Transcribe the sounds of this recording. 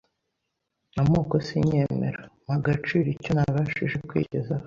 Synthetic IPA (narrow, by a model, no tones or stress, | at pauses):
amuːkosiɲeːmḛɾamaɡat͡ʃiɾiconaβaʃiʒekwḭceza